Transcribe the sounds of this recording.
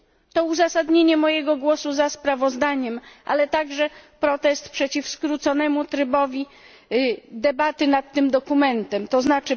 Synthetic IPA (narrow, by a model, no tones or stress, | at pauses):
t̪ɔuzasad̪ɲeɲɛmɔjɛɡɔɡwɔsuzaspɾavɔzd̪aɲɛmʔa̰lɛt̪aɡʐɛpɾɔt̪ɛst̪pʂɛt͡ɕifskɾut̪sɔnɛmut̪ɾɘbɔvʲi | d̪ɛbat̪ɘnat̪ːɘmd̪ɔkumɛnt̪ɛmt̪ɔznat͡ʂɘ